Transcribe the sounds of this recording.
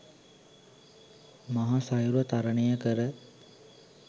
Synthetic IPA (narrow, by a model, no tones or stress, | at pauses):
maɦasajuɾuʋət̪aɾənejəkəɾə